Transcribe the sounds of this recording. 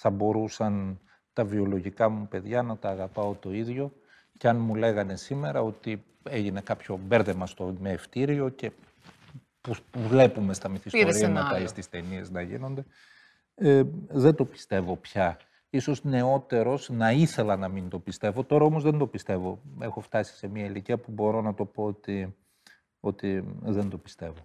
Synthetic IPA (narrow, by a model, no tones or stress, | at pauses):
θɐbo̞ɾusɐn | t̪ɐvio̞lo̞ʝikɐmupe̞ðʝɐnɐt̪ɐːɣɐpɐot̪o̞iðʝo̞ | ce̞ɐnmule̞ɣɐne̞sime̞ɾɐo̞t̪i | e̞ʝine̞kɐpço̞be̞ɾðe̞mɐst̪o̞meːft̪iɾio̞ce̞ | popuvle̞pume̞st̪ɐmiθistoɾiɐnɐt̪ɐist̪ist̪e̞nie̞znɐʝḭno̞nd̪e̞ | ðend̪o̞pi̥st̪e̞vo̞pçɐ | iso̞zne̞o̞t̪e̞ɾo̞znɐiθe̞lɐnɐmind̪o̞pist̪e̞vo̞t̪o̞ɾɐo̞mo̞zðend̪o̞pist̪e̞vo̞e̞xo̞ft̪ɐsi̥se̞miɐiliciɐpubo̞ɾo̞nɐt̪o̞po̞ot̪i | o̞t̪iðe̞nd̪o̞pi̥st̪e̞vo